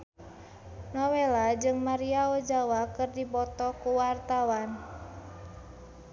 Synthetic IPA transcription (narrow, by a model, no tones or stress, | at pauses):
nɔwelad͡ʒɨŋmaɾiaɔd͡ʒawakɨrdibɔt̪ɔkuwart̪awan